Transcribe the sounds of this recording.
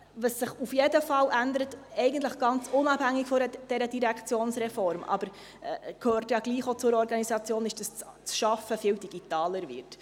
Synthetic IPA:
vɑsːɪχufjedəfɑlʔænd̪əɾət̪ɛɪɡən̩t̪ləχɡ̥ɑnt͡sʊnɑphæŋːɪkfɔɾəd̥ɛɾədiɾækʰt͡sjoːnsɾɛfɔɾmʔɑ̰b̥əɾ | kʰhøːrtjɑɡliːχot͡sʊɾɔɾɡɑnisɑt͡sjoːnɪʃd̥ɑst͡st͡sʃɑfəfiːldiɡ̥it̪ɑːləɾvɪ̰ɾt

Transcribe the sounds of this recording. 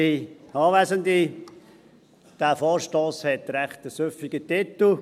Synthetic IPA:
iɑːʋæsənd̪i | d̥æːfɔːɾʃtoːshɛt̪ɾæχt̪əsøfiɡətɪt̪l̩

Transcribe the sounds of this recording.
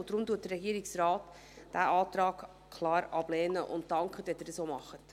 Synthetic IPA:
d̥ɾʊmduːt̚dərɛɡiːəɾɪksrɑːt | d̥æʔɑːtɾɑːɡ | kʰlɑːɾɑb̥lɛːnəʔʊ̰nttɑŋkχətɛt̪ədəsoːmɑχət

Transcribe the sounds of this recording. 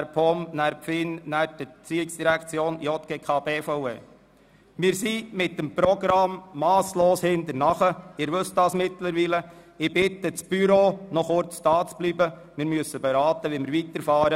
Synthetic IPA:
æɾphɔmnæɾpfɪnnæp̚dət͡siɪksd̥iɾækt͡sjoːnjɔt̪̚ɡ̥eːkʰɑːbeːfɔʊḛ | mɪːɾsimɪt̚dəmpɾɔɡɾɑmːɑːsloːshɪnt̪əɾnɑχəɪːɾʋɵstd̥ɑːsmɪt̪ləɾʋiːlə | ɪbɪt̪ət͡sb̥yɾoːnɔχʊɾt͡sd̥ɑːt͡sb̥liːbə | mɪːɾmyəsəbɛɾɑːt̪əʋimɪːɾʋit̪əɾfɑːɾə

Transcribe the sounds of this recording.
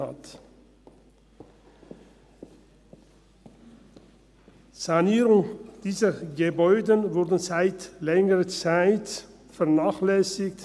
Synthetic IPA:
a̰t | z̥aniːʁʊŋd̥iːzɐɡebɔʏdənvʊʁdən̩zaɪtlɛŋəʁət͡saɪt | fɛɐnaːχlɛsɪkt

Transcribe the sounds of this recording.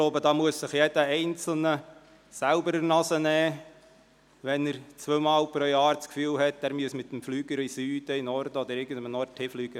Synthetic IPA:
ɡloʊbəd̪ɑːmuəssɪχjed̥əɛɪnt͡sl̩nə | sælbəɾəɾnɑsənɛː | ʋɛnəɾt͡sʋøːmɑːlpɾojɑːɾt͡skfyːlhɛt̪ːæːɾmyəsmɪt̪ːmflyːɡəɾisyːd̥̪əɪnɔrd̪əɔd̪əɾɪːɡən̩d̪əmnɔrthiːflyːɡ̥ə

